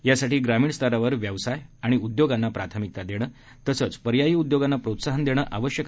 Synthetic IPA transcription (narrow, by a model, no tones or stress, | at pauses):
jasaʈiːɡɾamiːɳst̪əɾaʋəɾʋjəʋsajaɽ̃iud̪joɡanːapɾat̪ʰəmik̚t̪ad̪eɽ̃əː | t̪əsəːt͡spəɾjajiːud̪joɡanːapɾot̪saɦənd̪eɽ̃əːʔaʋəɕjək